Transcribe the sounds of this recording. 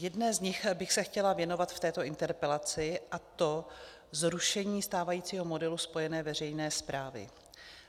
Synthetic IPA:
jɛdnɛːzɲɪxbɪxsɛxcɛlavjɛno̞vat̪ft̪ɛːt̪o̞ʔɪnt̪ɛɾpɛlat͡sɪʔat̪o̞ | zɾuʃɛɲiːst̪aːvajiːt͡siːɦo̞mo̞dɛluspo̞jɛnɛːvɛr̝ɛjnɛːspɾaːvɪ̰

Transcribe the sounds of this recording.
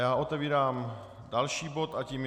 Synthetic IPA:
jaːʔo̞t̪ɛviːɾaːm | dalʃiːbo̞t̪aciːm

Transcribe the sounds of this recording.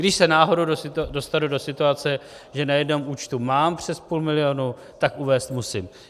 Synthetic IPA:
ɡdɪʃsɛnaːɦo̞dowdosɪdo̞st̪adudo̞sɪt̪uat͡sɛ | ʒɛnajɛdno̞muːt͡ʃt̪umaːmpr̝̥ɛspuːlmɪlɪjonu | t̪akʔuvɛːst̪musɪm

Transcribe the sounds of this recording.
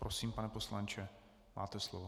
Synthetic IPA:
pɾosiːmpanɛposlant͡ʃɛ | mʔa̰ːt̪ɛslovo

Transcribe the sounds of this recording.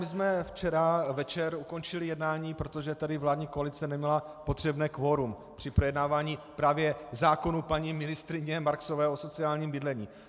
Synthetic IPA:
mɪsmɛft͡ʃɛɾavɛt͡ʃɛɾuko̞nt͡ʃɪlɪjɛdnaːɲiːpɾo̞t̪oʒɛt̪adɪvlaːdɲiːkoalɪt͡sɛnɛmɲɛla | pot̪r̝̥ɛbnɛːkvo̞ɾum | pr̝̥ɪpɾojɛdnaːvaːɲiːpɾaːvjɛzaːko̞nupaɲimɪnɪst̪ɾɪɲɛmaɾksovɛːʔo̞so̞t͡sɪaːlɲiːmbɪdlɛɲiː

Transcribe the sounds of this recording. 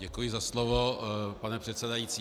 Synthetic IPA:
ɛkujɪzaslovopanɛpr̥ɛt̪sɛdajit͡siː

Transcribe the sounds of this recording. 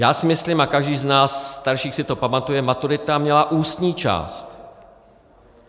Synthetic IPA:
jaːsɪmɪslimakaʒdiːznaːsːt̪aɾʃiːxsɪt̪o̞pamat̪ujɛmat̪uɾɪt̪amɲɛlaʔuːst̪ɲiːt͡ʃa̰ːst̪

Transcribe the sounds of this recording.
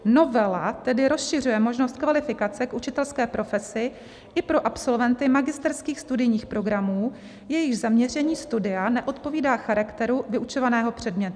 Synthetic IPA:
no̞vɛlat̪ɛdɪɾo̞sʃɪrujɛmo̞ʒnost̪̚kvalɪfɪkat͡sɛkʔut͡ʃɪt̪ɛlskɛːpɾʔo̞fɛsɪ | ʔɪpɾo̞ʔapso̞lvɛnt̪ɪmaɡɪst̪ɛɾskiːxst̪udɪjɲiːxpɾo̞ɡɾamuː | jɛjɪʒzamɲɛr̝ɛɲiːst̪udɪanɛʔo̞t̪po̞viːdaːxaɾakt̪ɛɾuvɪʔut͡ʃo̞vanɛːɦo̞pr̝̥ɛdmɲɛt̪ʊ

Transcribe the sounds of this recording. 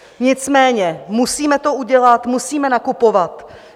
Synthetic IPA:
ɲɪt͡smɛːɲɛmusiːmɛt̪o̞uɟɛlat̪musiːmɛnakupo̞vat̪

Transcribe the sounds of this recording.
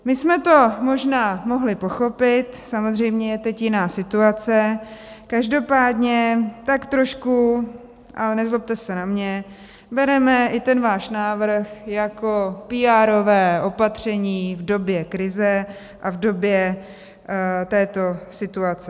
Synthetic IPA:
mɪsmɛt̪o̞mo̞ʒnaːmo̞ɦlɪpo̞xo̞pɪt̪samo̞zr̝ɛjmɲɛjɛt̪ɛcjɪnaːsɪt̪uat͡sɛ | kaʒdo̞paːdɲɛt̪akt̪ɾo̞ʃku | ʔa̰lɛnɛzlop̚t̪ɛsɛnamɲɛ | bɛɾɛmɛʔɪt̪ɛnvaːʃnaːvr̩xjakopiːaːɾo̞vɛːʔo̞pat̪r̝̥ɛɲiːvdo̞bjɛkɾɪzɛ | ʔavdo̞bjɛ | t̪ɛːt̪o̞sɪt̪uat͡sɛ

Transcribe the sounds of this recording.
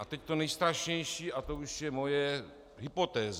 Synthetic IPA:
ʔat̪ɛct̪onɛjst̪ɾaʃɲɛjʃiːʔat̪ouʃjɛmo̞jɛ | ɦɪpot̪ɛːz

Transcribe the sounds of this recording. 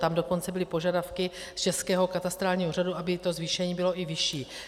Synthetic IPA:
t̪amdo̞ko̞nt͡sɛbɪlɪpoʒadafkɪ | st͡ʃɛskɛːɦo̞kat̪ast̪ɾaːlɲiːɦor̝aduʔabɪt̪o̞zviːʃɛɲiːbɪlo̞ʔɪvɪʃiː

